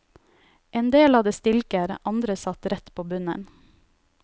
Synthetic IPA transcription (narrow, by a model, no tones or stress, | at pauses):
ʔeːnd̪eːlhɑːd̪əst̪ɪlkəɾʔɑnd̪ɾəsɑt̪ɾɛt̪pʰoːbʉnə̰n